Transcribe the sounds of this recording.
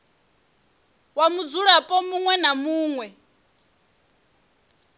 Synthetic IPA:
wamud͡zuɺapʼɔmuŋwɛnamuːŋwɛ

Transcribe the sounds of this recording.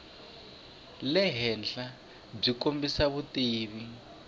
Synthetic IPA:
lɛɦɛnd͡ɮa | b͡ʐikombisaβutiːβi

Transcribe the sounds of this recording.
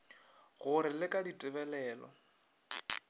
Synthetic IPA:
ɣʊɾɪlɪkʼaditʼɪbɛlɛːlɔ̰

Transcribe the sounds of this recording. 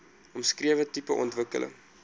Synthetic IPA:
ɔmskriəvətipəʔɔntvəkə̰lə̰ŋ

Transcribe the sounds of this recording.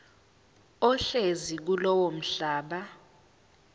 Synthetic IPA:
ɔɬezik̬ulɔwom̩ɬaːɓa

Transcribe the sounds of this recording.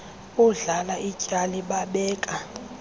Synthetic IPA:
uɮalaʔicʼaliɓaɓɛːkʼa

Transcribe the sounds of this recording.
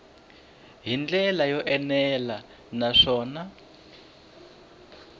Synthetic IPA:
ɦind͡ɮɛlajɔʔɛnɛla | naʂɔːna

